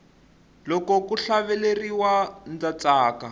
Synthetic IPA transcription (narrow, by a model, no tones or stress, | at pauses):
lɔkɔkuɬaβɛleriwand͡zat͡saːka